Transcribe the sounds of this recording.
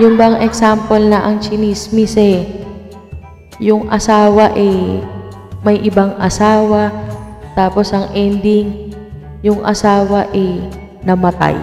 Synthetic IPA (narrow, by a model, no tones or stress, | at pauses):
jʊnbɐɐŋɛksampolnɐʔɐŋt͡ʃɪnismisɛ | jʊŋʔɐsaːwɐʔɛ | mɐjʔɪbaŋʔɐsaːwɐt̪aːpo̞sʔɐŋʔɛnd̪iŋ | jʊŋʔɐ̰saːwɐʔɛ | nɐmɐt̪a̰j